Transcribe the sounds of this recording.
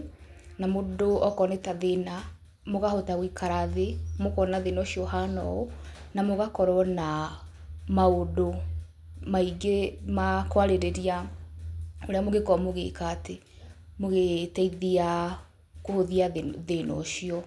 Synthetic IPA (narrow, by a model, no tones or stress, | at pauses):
namodoɔkɔnetaðena | moɣahotawikʰaɾaðemokɔnaðenɔɕiɔhanɔ̰onamoɣakɔɾɔna | maodo | maiɡemakwaɾeɾeɾia | oɾeamoɣekɔmoɣḛkaːte | moɣetaiðia | kohoðiaðenɔ̰ɕiɔ